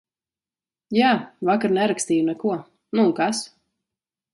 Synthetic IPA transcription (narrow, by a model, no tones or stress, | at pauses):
jaːvakaɾnɛɾakst̪iːjunɛkuɔ | nukas